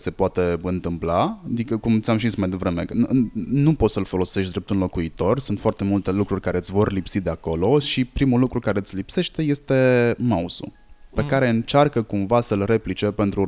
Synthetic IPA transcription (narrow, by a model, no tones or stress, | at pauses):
se̞poat̪e̞ɨnt̪ɨmplaad̪ikəkumt̪sʲamʃiismajd̪e̞vɾe̞meənupo̞t̪səlfo̞lo̞se̞ʃt̪̚d̪ɾe̞p̚t̪unlo̞kuit̪o̞rsunt̪foart̪e̞mult̪e̞lukɾurʲkaɾe̞ɨt̪sʲvo̞rlipsid̪e̞ako̞lo̞ʃipɾimulukɾukaɾe̞ɨt̪sʲlipse̞ʃt̪eje̞st̪e̞mausṵ | pe̞kaɾe̞ɨnt͡ʃarkəkumvasəlre̞plit͡ʃe̞pe̞nt̪ɾu